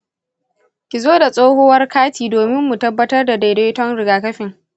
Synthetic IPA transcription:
kʲi˨zoː˦da˨sʼoː˦hoː˦wɐ˦rkʰaː˦tʰiː˨doː˨mɪ˦mːu˨tɐ˦bːɐ˦tɐ˦rda˨da˨jde˦tɔ˦ŋɽɪ˨ɡaː˨kɐ˦ɸɪ˨ŋ

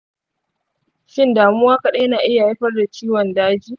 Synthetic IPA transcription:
ʃɪ˦ndaː˨mu˦waː˦kɐ˦ɗa˦jɐ˦naː˨ʔɪ˦ja˨a˦ɸɐ˦rda˨t͡ʃiː˦wɔ˨ndaː˦d͡ʒiː˦

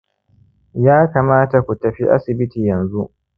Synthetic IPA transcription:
jaː˦kaː˨maː˦ta˨kʷu˨tɐ˨ɸi˦ʔa̰˦sɪ˨bɪ˦tiː˨jɐ˨nzu˦ʔ

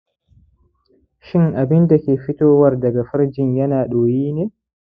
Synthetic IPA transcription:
ʃɪ˦ŋʔa˨bɪ˦nda˨kʲeː˨ɸɪ˦toː˦wɐ˦rdɐ˨ɡa˨ɸɐ˦ɾd͡ʒɪ˨ɲjɐ˦naː˨ɗoː˨jiː˦neː˦

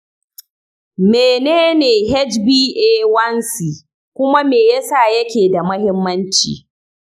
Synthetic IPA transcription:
meː˨neː˦neː˨ɦɛ˦t͡ʃbiː˦ʔeː˦wɐ˦nsiː˨ | kʷʊ˦ma˦meː˨jɐ˦sa˦˨jɐ˦kʲeː˨da˨mɐ˦hɪ˦mːɐ˦nt͡ʃḭː˨

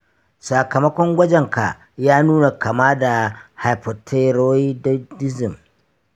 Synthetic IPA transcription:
sa˨kɐ˨mɐ˦kʷɔ˦ŋɡʷɐ˦d͡ʒɛ˨ŋka˨ | jaː˦nuː˦na˨ka˨maː˦da˨ha˨jɸɐ˨tʰe˦ɾo˦i˦ddɪ˦zɪ˨m

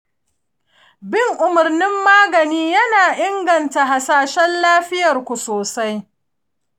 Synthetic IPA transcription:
bɪ˦ŋʔʊ˨mʊ˨rnɪ˦mːaː˦ɡɐ˨niː˦jɐ˦naː˨ʔɪ˦ŋɡɐ˨nta˨ɦa˨saː˦ʃɛ˦nlaː˦ɸɪ˦jɐ˨rkʷu˨soː˨sa˦j

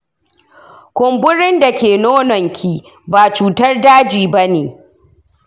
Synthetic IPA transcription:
kʷʊ˨mbʊ˦ɽɪ˦nda˨kʲeː˨noː˦nɔ˨ŋkʲʰiː˦ | baː˨t͡ʃuː˨tɐ˦rdaː˦d͡ʒiː˨ba˦neː˨

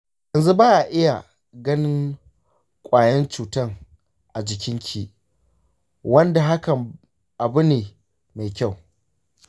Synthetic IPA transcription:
jɐ˨nzu˦baː˦ʔa˨ʔɪ˦ja˨ | ɡɐ˦nɪ˦ŋ | kʷʼaː˨jɐ˦nt͡ʃuː˨tɐ˦˨ŋ | ʔa˨d͡ʒɪ˨kʲɪ˦ŋkʲʰiː˦ | wɐ˦nda˨ɦa˦kɐ˨m | ʔa˨bʊ˦neː˨ | ma˨jkʲa˦˨w

